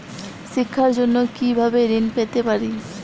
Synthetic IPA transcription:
ʃikʰːaɾd͡ʑonːokibʱabeɾinpet̪epaɾi

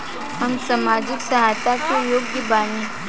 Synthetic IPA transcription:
hɐmsɐmaːd͡ʒɪksɐɦaːt̪akejoːɡɡibaːnĩ

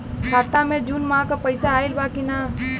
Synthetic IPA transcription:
kʰaːt̪ãmẽd͡ʒunmãkapəɪsaːilbaːkina

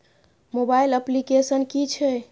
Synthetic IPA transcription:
mobailəplikesənkit͡ʃʰɛ

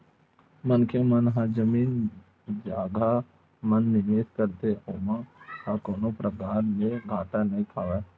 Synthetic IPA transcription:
mənkʰjemənɦãd͡ʒəmiːn | d͡ʒaːɡa | mənːɪʋeːskəɾt̪eoːmãkakoːnõpɾʔəkaːɾleɡʱaːt̪anəɦĩkʰaːʋɛː

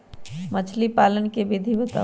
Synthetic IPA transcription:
mɐt͡ʃʰlipaːlənkebʱed̪ʱibət̪a̰

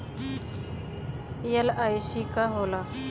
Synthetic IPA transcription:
jɐlaisikaɦoːla

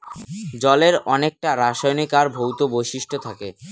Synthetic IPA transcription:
d͡ʑɔleɾɔnek̚ʈaɾaʃajnikaɾbʱowt̪obojʃiʃʈʰot̪ʰake

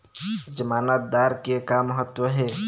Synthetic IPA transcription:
d͡ʒəmanət̪̚d̪aɾkekamːəɦət̪ːwəɦe

